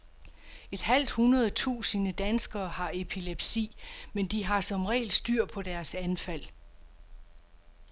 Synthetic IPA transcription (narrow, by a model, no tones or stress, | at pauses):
e̝d̥ɦæl̰d̥hunɐð̩ˠt͡sʰṵːsənəd̥ænsɡ̥ɐːhɑ̈e̝pʰileb̥sḭːmend̥iɦɑ̈sɒ̽mʁɛ̰ːɪlsd̥yɐ̰pʰɒ̽d̥æɐsænfæl̰